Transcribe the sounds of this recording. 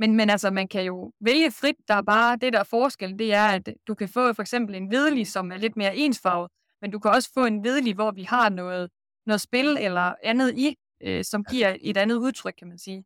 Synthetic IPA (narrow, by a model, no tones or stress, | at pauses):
menmenælsɐmænkʰæjo̝ʋeləfʁid̥̚ːɑ̈æɐb̥ɑ̈ːd̥e̝d̥æɐfɒːsɡ̥eld̥e̝æɐæd̥d̥ukʰæfɔ̰̽ːfɒ̽eɡ̥sem̰b̥l̩e̝nʋeð̞ˠəlisɒ̽mæɐle̝d̥̚me̝ːɐʔe̝̰ːnsfɑ̈ʊðˠ | mendukʰæɒ̽sə̥fɔ̰̽ːe̝nʋeð̞ˠəliʋɒːʋihɑ̈nɔ̽ːð̞̩ˠ | nɔ̽ːð̩ˠsb̥e̝lelɐænð̞̩ˠi | øsɒ̽mɡ̥iɐ̰e̝dænð̞̩ˠuð̞ˠt͡sʰʁœɡ̥̚kʰæmænsiː